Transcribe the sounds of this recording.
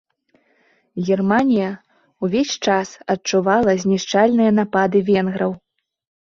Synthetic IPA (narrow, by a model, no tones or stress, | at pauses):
ɣʲirmanʲijɐ | wvʲesʲt͡ʂasɐtt͡ʂuvalˠɐzʲnʲiʂt͡ʂalʲnɨjɐnapad̪ɨvʲɛnɣɾɐw